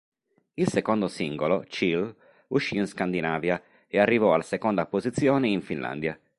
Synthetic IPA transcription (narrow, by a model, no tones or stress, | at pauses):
ilsekond̪osiŋɡolot͡ʃil | uʃːiːnskand̪inaːvja | earːivɔalasekond̪apozit̪sːjɔːneiɱfinla̰nd̪ja